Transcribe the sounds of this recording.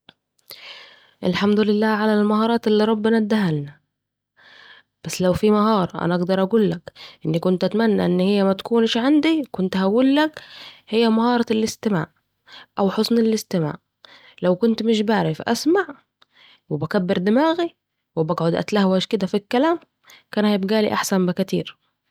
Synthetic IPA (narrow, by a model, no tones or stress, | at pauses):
ʔɪlħamd̪ʊlɪlːaːʕalalmahɑːɾˤɑːt̪ɪlːiɾˤɑbːɪnad̪ahalna | b̥asːlawfimaɦɑːɾˤɑʔa̰naʔaɡd̪ɑɾˤʔaɡuːlːakʔɪnːikʊnt̪ʔæt̪manːa̰ʔɪnːhɪjːæmæt̪ḁkuːnʃʕand̪ikʊnt̪hawulːakhɪjːæmahɑːɾˤɑlʔɪst̪ɪma̰ːʔ | ʔawħʊsnɪlɪst̪ɪma̰ːʔ | lawkʊnt̪mɪʃbaʕɾɪfʔa̰smaʕ | wɪbakabːɪɾd̪ɪmaːɣi | wɪbaɡʕʊd̪ʔæ̰t̪lahwaʃkɪd̪æfikːalaːm | kaːnhajɪbɡaːlḭʔaħsambɪkæt̪iːɾ